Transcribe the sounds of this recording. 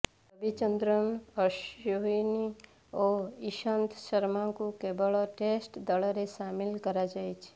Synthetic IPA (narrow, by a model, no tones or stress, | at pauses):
ɐbʱit͡ʃə̃nd̪ɾənəʃoɦini | ɔːɪʃənt̪ʰʃəɾmãkokeːbəɭaʈeːsʈd̪əɭɾeʃaːmɪlkɐɾad͡ʒaːit͡ʃʰe̥